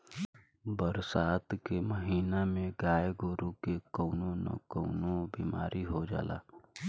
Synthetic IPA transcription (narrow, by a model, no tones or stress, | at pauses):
bəɾsaːt̪keməɦiːnamẽɡaːjɡoɾukekəʊnonə̰kəʊnobiːma̰ːɾʔiɦod͡ʒa̰ːla̰ː